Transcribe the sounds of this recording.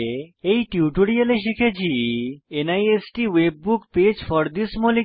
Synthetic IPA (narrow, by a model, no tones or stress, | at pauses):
ejʈiuʈoɽiəleʃikʰet͡ɕʰienajesʈiʋeb̚ːukped͡ʑfɔɾd̪ismoli